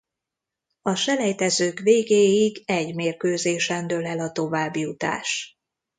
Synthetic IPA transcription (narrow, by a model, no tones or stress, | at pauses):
ɒʃɛlɛjt̪ɛzøːkveːɡeːjiɡɛɟmeːrkøːzeːʃɛnd̪ølɛlɒt̪o̞vaːbːjut̪a̰ːʃ